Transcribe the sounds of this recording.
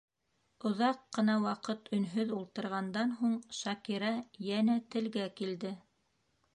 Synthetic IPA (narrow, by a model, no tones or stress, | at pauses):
ŏðɑqːɤ̆nɑwɑqɤt̪ʰɵ̆nɦɵðulˠt̪ɤ̆ɾʁɑnd̪ɑnɦuɴʃɑkiɾɑjænæt̪ɘ̆lɡækild̪ɘ